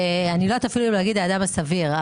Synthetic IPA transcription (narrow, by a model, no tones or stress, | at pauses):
anilot̪afiluleaɡid̪aːd̪amasaviʁ